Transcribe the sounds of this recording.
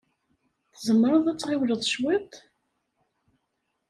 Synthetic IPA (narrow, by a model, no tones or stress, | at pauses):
θzəmːɾˤəðˤæt͡sːʁɪwləðˤʃwit̪ˤ